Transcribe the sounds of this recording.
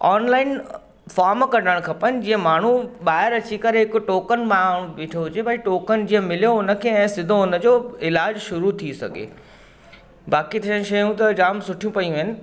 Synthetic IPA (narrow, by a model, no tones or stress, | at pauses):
ɔːnlaːɪn | faːɾmkɐɖəɽ̃kʰɐpənɪ̆d͡ʑiːə̃maːɳ̤uɓaːɦɪɾɐt͡ɕikɐɾeɦɪkʊʈoːkənmaːɽ̃ũʋɪʈʰoɦʊd͡ʑebʱɐiʈoːkənd͡ʑiːə̃mɪlijoʊnə̆kʰeːɛ̃ːsɪd̪ʱoʊnə̆d͡ʑoːɪlaːd͡ʑʃʊɾut̪ʰisɐ̰ɡʱḛː | baːkit̪ʰiəɽ̃ʃɐjũt̪ɐd͡ʑaːmsʊʈʰijũpɐijũɦɪnɪ̆